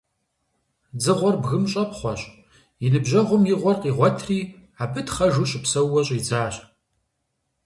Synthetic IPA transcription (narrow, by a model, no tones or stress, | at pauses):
d͡zɨʁʷɔrbɣɨmɕʼɐpχʷɔɕʼ | jɪnɨbʑɐʁʷʊmjɪʁʷɔrqiːʁʷɔtʰriː | aːbɨtχɐʒuːɕʼɪpsɐwːɐɕʼiːd͡zaːɕʼ